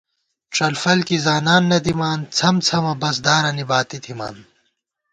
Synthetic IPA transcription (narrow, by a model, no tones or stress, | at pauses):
ʈ͡ʂɐlfɐlkizaːnaːnːɐt̪imaːnt͡sʰɐmt͡sʰɐmɐbɐs̬d̪aːɾɐnibaːt̪it̪ʰima̰ːn